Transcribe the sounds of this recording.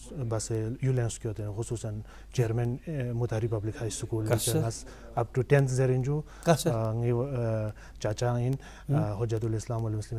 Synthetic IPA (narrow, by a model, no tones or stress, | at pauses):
bɐsejulenskijot̪enxusuːsɐn | t͡ʃeɾmenmut̪aɾipɐblikhaːjsukuːlt͡ʃɐɐs | ɐp̚ʈuʈent̪ʰzeɾinʲd͡ʒu | ŋi | t͡ʃat͡ʃain | ɦod͡ʒɐt̪uleslaːmɐlmuslim